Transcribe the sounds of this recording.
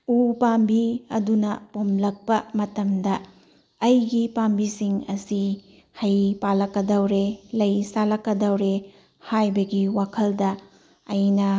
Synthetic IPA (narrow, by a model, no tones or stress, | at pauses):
upambiɐ̰dunɐpomlɐk̚pɐmɐtɐmdɐː | jɡipambisiŋɐsi | hɐjpalɐkːɐdɐwɾelɐjsalɐkːɐdɐwɾe | hajbɐɡiwakʰɐldɐː | jnɐ